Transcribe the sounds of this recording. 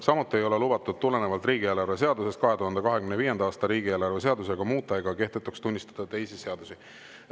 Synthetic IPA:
sɑmut̪ːˑie̞jo̞lelubɑt̪ːˑud̪̚t̪ːule̞nevɑlt̪riːɡielɑɾrve̞s̬e̞ɑd̪use̞st̪̚kɑɦe̞t̪uɦɑnd̪ekɑɦe̞kymneviːjed̪̥ɑɑːst̪ɑɾiːɡielɑɾrves̬e̞ɑd̪use̞ɡ̥ɑmuːt̪ːˑɑeɡ̥ɑke̞ht̪et̪ːˑukst̪unʲːist̪ɑ̥d̪̥ɑt̪e̞jsise̞ɑd̪usi

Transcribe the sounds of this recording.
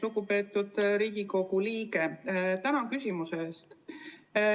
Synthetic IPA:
luɡupe̞ːt̪ːˑud̪̥ɾiːɡ̥iko̞ɡ̥uliːɡe̞t̪ænɑkysʲimuse̞eːst̪

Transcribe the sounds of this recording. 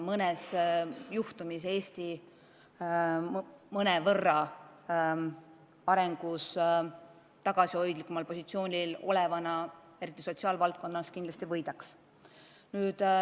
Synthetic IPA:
mɤnɛsjuht̪umise̞ːsʲt̪i | mɤnevɤrːɑ | ɑɾe̞ŋɡ̥us | t̪ɑɡ̥ɑsio̞jd̪likːˑumɑlpo̞sʲit̪sio̞ːnʲilo̞̰le̞vɑnɑ | e̞ɾit̪ːˑiso̞t̪siɑːlvɑlt̪̚ko̞nːɑskind̪lɑst̪ivɤjd̪̥ɑks | nyːd̪̥

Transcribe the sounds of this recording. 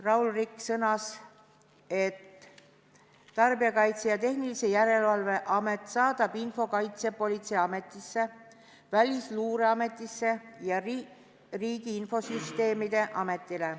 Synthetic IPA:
rɑwlrikːsɤnɑs | e̞t̪ | ɑrbiɑkɑjt̪sejɑt̪e̞hnilise̞jæɾe̞lvɑlve̞ʔɑmet̪ːˑsɑːd̪̥ɑb̥info̞kɑjt̪se̞po̞lʲit̪sejɑme̞t̪ːˑisːe̞ | vælʲisluːɾe̞ɑme̞t̪ːˑisːe̞jɑ | riːɡ̥iinfo̞syst̪e̞ːmid̪̥e̞ʔɑme̞t̪ːˑile

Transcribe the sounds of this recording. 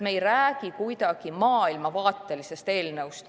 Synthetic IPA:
me̞jræːɡ̥ikujd̪̥ɑɡ̥imɑːilmɑvɑːt̪ːˑe̞lise̞st̪e̞ːlnewst̪

